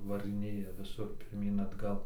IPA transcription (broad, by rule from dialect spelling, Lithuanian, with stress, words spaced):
ʋɐrɨˈnʲeːjɛ ʋʲɪˈsʊr pʲɪrʲˈmʲiːn ɐdˈɡɐlˠ